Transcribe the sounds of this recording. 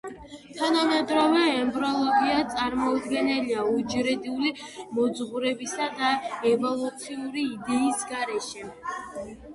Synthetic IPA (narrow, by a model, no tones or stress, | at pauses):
t̪ʰanamɛd̪ɾɔvɛːmbɾɔlˠɔɡiat̪sʼaɾmɔd̪ɡɛnɛliaud͡ʒɾɛd̪iulimɔd̪zʁuɾɛbisad̪aɛvɔlˠut̪sʰiuɾiːd̪ɛisɡaɾɛʃɛ